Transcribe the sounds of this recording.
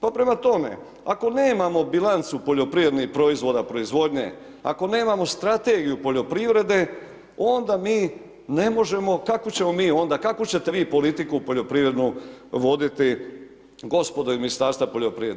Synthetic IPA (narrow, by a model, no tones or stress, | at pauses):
papɾe̞mat̪o̞me̞̰ | ako̞ne̞ːmamo̞bilˠant̪supoʎo̞pɾiʋɾe̞d̪nixpɾo̞izʋo̞d̪apɾo̞izʋo̞d̪ɲḛ | a̰ko̞ne̞ːmamo̞st̪ɾat̪e̞ɡijupo̞ʎo̞pɾiʋɾe̞d̪e̞ | o̞nd̪amiː | ne̞mo̞ʒe̞mo̞kakot͡ɕe̞mo̞miːo̞nd̪akakot͡ɕe̞t̪eʋiːpo̞lit̪ikupo̞ʎo̞pɾiːʋɾe̞d̪nuʋo̞d̪it̪i | ɡo̞spo̞d̪oiminist̪aːɾst̪ʋapo̞ʎʲopɾiɾe